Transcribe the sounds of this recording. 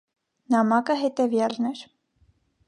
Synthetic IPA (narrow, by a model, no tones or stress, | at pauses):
nɑmɑkəɦɛt̪ɛvjɑlnɛɾ